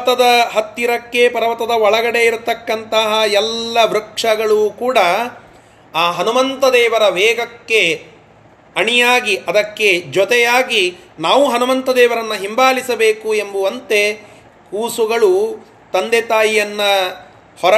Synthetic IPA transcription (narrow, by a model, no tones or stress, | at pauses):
t̪ɐd̪ɐɦɐt̪ːiɾɐkːe̞pɐɾɐʋɐt̪ɐd̪ɐɔɭɐɡɐɽe̞iɾt̪ɐkːɐnt̪ɐɦɐɛlːɐʋɾɐkʂɐɡɐɭukuːɽɐ | aːɦɐnumɐnt̪ɐd̪ɛːʋɐɾɐʋɛːɡɐkːe | ɐɳijaːɡiʔɐd̪ɐkːe̞d͡ʒɔt̪ɛjaːɡinaːʋuɦɐnumɐnt̪ɐd̪ɛːʋɐɾɐnːɐɦimbaːlisɐbeːkue̞mbuʋɐnt̪e | kuːsuɡɐɭu | t̪ɐnd̪et̪aːjijɐnːɐ | hɔɾɐ